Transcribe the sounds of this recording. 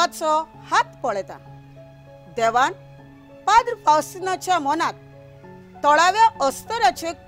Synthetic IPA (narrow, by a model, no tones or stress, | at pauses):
at͡sɔ | hat̪pɔɭt̪a̰ | d̪ɛʋan | pad̪ɾpawsnat͡ɕjamɔnat̪ː | ɔɭaʋjaɔst̪əɾat͡ɕek